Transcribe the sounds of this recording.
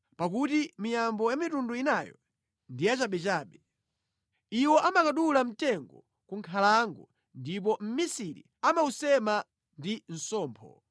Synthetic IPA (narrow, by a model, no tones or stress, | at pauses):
pak̬utimijambɔjamitunduinajɔ̰ | ndijat͡ʃaɓɛt͡ʃaːɓɛ | iwɔʔamakaɗulam̩tɛŋɡɔ̰ | kuŋkʰalaŋɡɔ | ndip̬ɔm̩misiɾḭ | amausɛma | ndin̩sɔːmpʰɔ̰